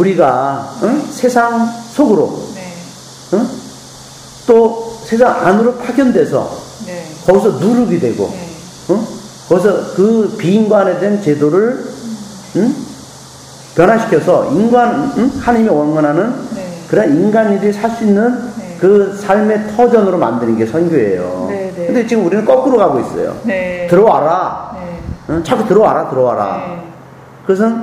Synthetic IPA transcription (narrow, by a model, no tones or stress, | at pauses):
uɾiɡa | sʰe̞sʰaŋsʰoɡɯɾo̰ | t͈osʰes̬ʰaŋa̰nɯɾopʰaɡjʌndwe̞sʰʌ̰ | kʌɡisʰʌnuɾɯɡidwe̞̰ɡo̰ | kʌɡis̬ʰʌkɯpiːnɡwane̞dwent͡ɕedoɾɯɭ | pjʌnɦaɕʰi̥kʰjʌsʰʌinɡwanhanɯɲimiʌnɡʌnɦanɯnkɯɾaninɡanidisʰaɭs͈uinːɯnkɯsʰaɭme̞tʰʌd͡ʑʌnɯɾoma̰ndɯnɯnɡe̞sʰʌnɡjoḛjo̰kʰɯndet͡ɕiɡɯmuɾinɯnk͈ʌk͈ɯɾoɡaɡois͈ʌ̰jo̰tɯɾʌwa̰ɾa | t͡ɕʰak͈ʰːutɯɾʌwa̰ɾatɯɾʌwa̰ɾa̰ | kɯʌs̬ʰɯn